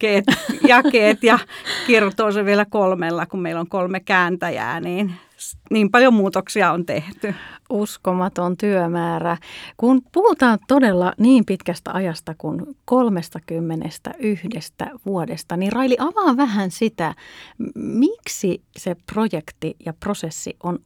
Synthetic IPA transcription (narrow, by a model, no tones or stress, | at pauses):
keːt̪jɑkeːt̪jɑkirt̪oːseʋʋielækolmelːɑkummeiloŋkolmekæːnt̪æjæ̰ːniːn | niːmpɑljomuːt̪oksiɑont̪eht̪yuskomɑt̪ont̪yømæːrækunpuhut̪ɑːnt̪odelːɑniːmpit̪kæst̪æ̰ʔɑjɑst̪ɑkunkolmest̪ɑkymːenḛst̪æ̰ʔyhdest̪æ̰ʋuodest̪ɑnirrɑiliʔɑʋɑːʋʋæɦænsit̪æ | miksiseprojekt̪ijɑprosesːḭʔon